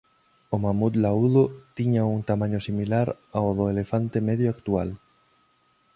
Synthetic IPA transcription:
omamud̪lauðot̪iɲauŋt̪amãɲosimilaɾaoð̞oelefant̪emeðjoakt̪ua̰l

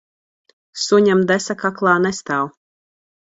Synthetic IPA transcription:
suɲamd̪ɛsakaklˠɑːnɛst̪aw

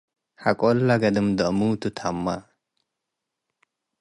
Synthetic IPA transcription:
hakʼolːaɡɐd̪əmd̪əmut̪ut̪ʰamːa̰

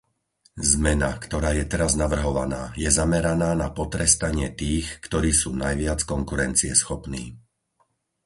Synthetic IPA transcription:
zmɛna̰kt̪ɔɾaːjɛt̪ɛɾaznaʋr̩ɦɔʋa̰naːjɛzamɛɾanaːnapɔt̪ɾɛst̪aɲɪɛt̪iːxkt̪ɔɾiːsuːnajʋɪat͡skɔŋkuɾɛnt͡siɛsxɔpnḭː

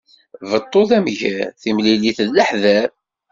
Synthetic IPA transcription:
vət̪ˤːoθæmʝæθimliliθəðːəħðæɾ

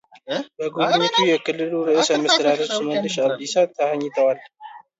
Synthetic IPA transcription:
bəɡodɨɲːət̪ʰujɛkɨlːɨluɾɨʔɨsəməst̪ʰəd̪ad̪əɾsmənːɨʃad̪ːisat̪ʰːəhaɲːɪt̪ʰəwal

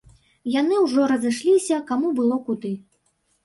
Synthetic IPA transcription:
jan̪ɨwʐɔɾɐzɨʂlʲisʲɐkamubɨlˠɔkud̪ɨ

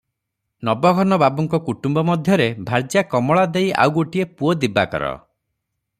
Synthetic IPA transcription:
nɔbɔɡʱɔnɔbabɔŋkɔkuʈumbɔmɔd̪ʱjɔɾebʱaɾd͡ʒjakɔmɔɭad̪eja̰wɡoʈiepuod̪iba̰kɔ̰ɾɔ̰

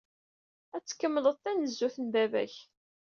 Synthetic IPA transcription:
æt͡sːkːəmːləðˤθænəzːuθəndævæ̰ç

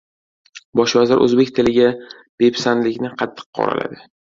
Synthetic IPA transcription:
bɒʃvazɪɾʔɵ̰zbe̞k̚ʲt̪ʰɪlɪɡʲa | b̥e̞pʰsanlɪkʲnɪqʰɑt̪ʰːɨ̥qqʰːɒ̰ɾa̰lʔa̰d̪ɪ

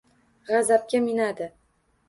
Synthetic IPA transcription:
ʁazap̚kʲamɪnad̪ɪ

